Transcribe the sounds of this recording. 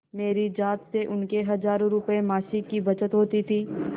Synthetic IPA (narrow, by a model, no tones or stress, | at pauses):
meːɾid͡ʒaːt̪seʔʊnkeɦɐzaːɾõɾʊpemaːʃikibɐt͡ʃət̪ɦoːt̪it̪ʰiː